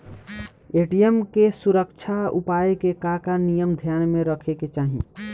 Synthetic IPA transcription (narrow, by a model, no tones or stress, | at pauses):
eʈijemkesuɾəkt͡ʃʰaṵpaekekakanijəmd̪ʱjaːnmeɾəkʰeket͡ʃaːɦḭ̃